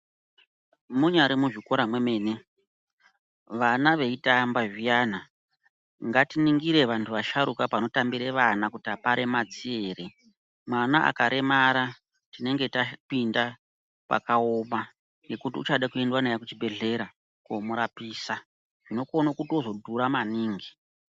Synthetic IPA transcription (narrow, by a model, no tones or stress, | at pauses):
muɲaɾimuʐiko̞ɾamwe̞me̞ːne̞ | ʋanaʋe̞itambaʐijaːna | ŋɡatiniŋɡiɾe̞ʋantʰuʋaʃaɾukapano̞tambiɾeʋanakutiapaɾʔe̞mat͡sie̞ːɾe | mwanaʔa̰kaɾʔe̞maɾa | tine̞ŋɡe̞tapinda | pa̰kaoma | nɡe̞kutiut͡ʃaɗakue̞ndwanajakut͡ʃibʱe̞ɮe̞ɾa | komuɾapiːsa | ʐ̥ino̞konakutio̞zo̞dʱuɾamaniːŋɡi